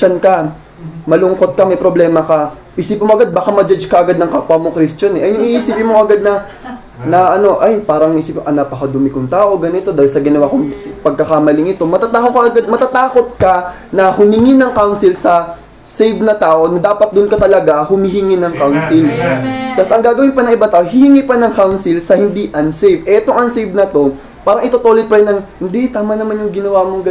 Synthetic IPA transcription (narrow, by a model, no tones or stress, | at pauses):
t͡ʃɐnkɐ | mɐlʊŋko̞t̪̚kɐmɐjpɾoblɛːmɐkɐ | ʔɪsiːpmoʔɐɡad̪̚bakamɐd͡ʒad͡ʒkɐʔɐɡad̪nɐŋkapwɐmokɾist͡ʃɐnɛʔɐjnɐŋʔiʔiːsɪpɪnmoʔɐɡad̪̚nɐ | nɐʔɐno̞ʔajpaːɾɐŋʔiːsipʔɐnapɐkɐd̪ʊmɪkʊŋt̪aːʔo̞ɡɐnɪt̪o̞d̪aːhɪlsɐɡɪnɐwakʊŋpɐɡ̚kɐkamɐlɪŋɪt̪o̞mɐt̪at̪aːʔokɐʔɐɡad̪̚mɐt̪at̪aːko̞t̪̚kɐ | nɐhʊmɪŋinɐŋkawnsɪlsɐ | sejvnɐt̪aːʔo̞nɐd̪aːpɐt̪̚d̪ʊnkɐt̪ɐlɐɡahʊmɪɦɪŋinɐŋkawnsɪlt̪ɐsʔɐŋɡaːɡɐwɪnpɐnɐŋʔɪbaŋt̪aːʔoɦɪhɪŋipɐnɐŋkawnsɪlsɐhɪnd̪iʔɐnsejvʔɛʔɛt̪oŋʔɐnsejvnɐt̪o̞ | paːɾɐŋʔɪt̪ot̪oːlɪt̪̚pɐɾɛnːɐŋhɪnd̪it̪aːmanɐmanjʊŋɡɪnɐwaːmoŋɡɐ